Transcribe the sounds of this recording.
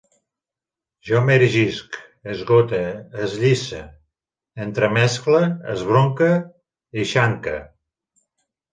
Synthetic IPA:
ʒɔmɛɾʒisk | əzɣot̪əːzʎisə | ent̪ɾəmɛsklə̰ːzβ̞ɾoŋkə | iʃaŋkə̰

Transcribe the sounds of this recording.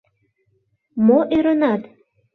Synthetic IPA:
moʔeɾənɑt̪

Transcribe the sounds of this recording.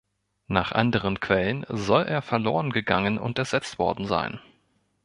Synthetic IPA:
naːχʔa̰ndəʁ̞ənkv̥ɛlənzɔlʔeːɐfɛɐlo̰ːʁənɡəɡaŋənʔʊ̰ntɛɐz̥ɛt͡stv̥ɔɐdn̩za̰ɪn

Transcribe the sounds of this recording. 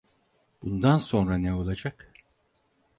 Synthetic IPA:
b̥und̪anso̞nɾaneo̞lˠad͡ʒak

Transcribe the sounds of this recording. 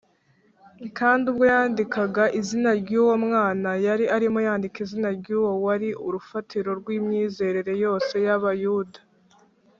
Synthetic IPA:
kaːndub̚ɡo̞jaːndikaɡaʔizinaɾɟuːwomŋaːnajaɾiʔaɾimojaːndikizinaɾɟuːwowaɾiʔuɾufatʰiɾo̞ɾɡwiːmɲiːze̞ɾeɾe̞jo̞ːse̞jaβajuːdḁ

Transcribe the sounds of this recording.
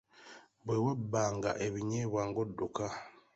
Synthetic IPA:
βwewabːaːŋɡa̰ʔeβiɲeβwaːŋɡodːoka

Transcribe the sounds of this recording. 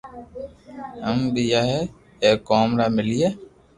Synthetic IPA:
ɦəmbijaːɦɛ | eːkoːmɾaːmɪlijeː

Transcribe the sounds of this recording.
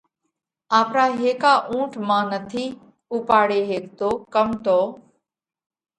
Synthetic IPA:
aːpɾaːɦeːkaːʔũːʈʰmãːnət̪ʰiː | upaːɽeːɦeːkt̪oːkəmt̪oː

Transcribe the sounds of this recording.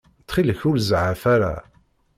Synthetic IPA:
t̪χiləçʊlzʕafæɾa̰

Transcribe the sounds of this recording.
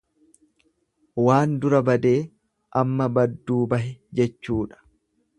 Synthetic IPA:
waːnd̪ʊɾɐbɐd̪e̞ː | ʔɐmːɐbɐd̪ːuːbɐɦɪd͡ʒɛt͡ʃːuːᶑɐ̥

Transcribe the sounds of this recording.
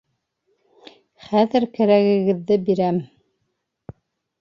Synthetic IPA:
χæðɘɾkæɾæɣɘ̆ɡɘ̆ðːɘbiɾæm

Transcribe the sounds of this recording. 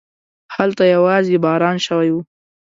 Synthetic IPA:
halt̪ajawɑzebɑɾɑnʃəwajwu

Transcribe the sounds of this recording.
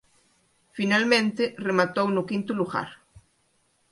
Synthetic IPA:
finalmẽnt̪ɪremat̪ownʊkint̪ʊluɣa̰ɾ

